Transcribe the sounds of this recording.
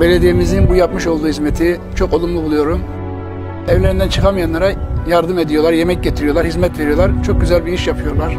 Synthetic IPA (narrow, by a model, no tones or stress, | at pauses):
be̞lʲe̞d̪ijimizinbujapmɯʃo̞lˠd̪uːhizmet̪ʰi | t͡ʃʰo̞ko̞lˠumlˠubulˠujo̞ɾum | ɛvlʲe̞ɾind̪ænt͡ʃʰɯkamɯjanlˠaɾajaɾd̪ɯme̞d̪ijo̞lˠaɾje̞mɛc̚ɟe̞t̪ʰiɾijolˠaɾhizmɛt̪ve̞ɾijo̞lˠaɾt͡ʃʰo̞k̚ɟyzælʲbiiʃjapʰɯjo̞ɾlˠaɾ̥